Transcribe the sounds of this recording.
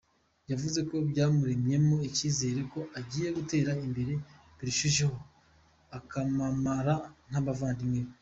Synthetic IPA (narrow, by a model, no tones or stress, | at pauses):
javuze̞ko̞bɟaːmuɾe̞mɲe̞mo̞iciːze̞ːɾe̞ko̞ʔaɟiːje̞ɡute̞ːɾaimbe̞ɾe̞ | βiɾiʃuʒeho̞ | akamamaɾan̥aβavaːndimŋe